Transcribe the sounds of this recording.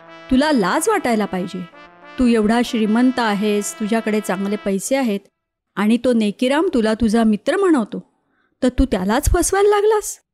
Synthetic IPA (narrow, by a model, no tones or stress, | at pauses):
t̪ulalad͡zʋaʈajlapaɦid͡ʑet̪uːeʋɽ̤aɕɾimənt̪aːɦest̪ud͡ʑʱjakəɽet͡sãŋɡlepəjseaɦet̪ | aɽ̃it̪onekiɾamt̪ulat̪ud͡zʱamit̪ɾəm̤əɽ̃əʋt̪o | t̪əɾt̪uːt̪jalat͡sfəsʋajllaɡlas